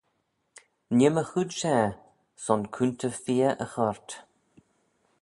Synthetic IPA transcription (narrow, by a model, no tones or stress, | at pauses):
nɪməxud̪ʃɛː | sɔnkʰunt̪ʰəfiːəʔəxɔɹt̪